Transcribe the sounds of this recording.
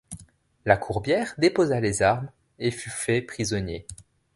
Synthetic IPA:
lakʰuʁbjɛʁd̪epozalezaʁm | efyfɛpχizɔnje

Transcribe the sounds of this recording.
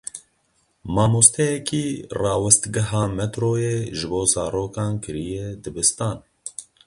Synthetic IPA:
mɑːmust̪ɛjɛkiːrɑːwɨst̪ɡɛɦɑːmɛt̪ɾoːjeːʒɨboːzɑːɾoːkɑːnkɨɾijɛd̪ɨbɨst̪ɑːn

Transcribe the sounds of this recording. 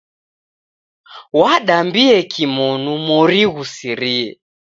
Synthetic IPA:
waɗambiɛkʰimɔnumɔɾiɣusiɾiɛ

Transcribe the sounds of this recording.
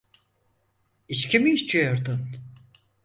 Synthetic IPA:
it͡ʃcʰimiːʃt͡ʃʰijo̞ɾd̪un

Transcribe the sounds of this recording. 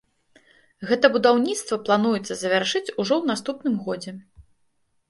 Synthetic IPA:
ɣɛt̪ɐbud̪awnʲit̪st̪vɐplˠanujɛt̪sːɐzɐvʲarʂɨt͡sʲuʐɔwnast̪upnɨmɣɔd͡zʲɛ

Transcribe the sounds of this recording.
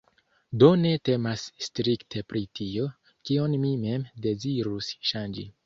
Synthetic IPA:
do̞ne̞te̞masːtɾiktʰe̞pɾitio̞ | kionmime̞mde̞ziɾusʃand͡ʒḭ

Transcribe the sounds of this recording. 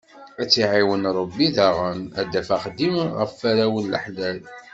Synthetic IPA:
æt͡sːiʕiwənɾˤəbːiðæʁənæd̪æfæχd̪imʁə̰fːæɾæwənlə̰ħlæl

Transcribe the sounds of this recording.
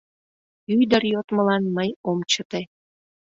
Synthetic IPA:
yjd̪əɾjot̪məlɑnməjomt͡ɕət̪e

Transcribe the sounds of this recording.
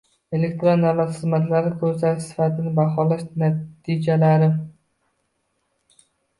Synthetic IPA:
elek̚ʲt̪ɾonːæat̪χɨzmæt̪laɾɪkʲʰɵɾsaɾɪsɪ̥fæt̪ʰɪnɪbæχɒːlˠæʃnɛt̪ʰid͡ʒɛlæɾɪm

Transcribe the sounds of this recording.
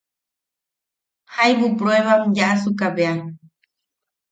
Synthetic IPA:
hajbupɾoeβamjaʔasukaβea

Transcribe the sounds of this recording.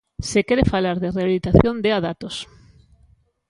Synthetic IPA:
sekeɾefalaɾðereaβilit̪aθjond̪eaðat̪os

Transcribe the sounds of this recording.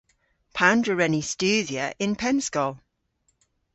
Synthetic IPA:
pʰãndɹəɹɛnistʉːðjəʔɪ̃npʰɛ̃nskɔl

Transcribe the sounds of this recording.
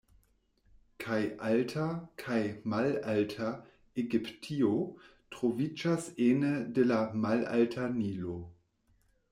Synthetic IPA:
kʰajʔaltʰakʰajmalaltʰa | eɡiptʰiotʁovid͡ʒasenədelamala̰ltʰanilo

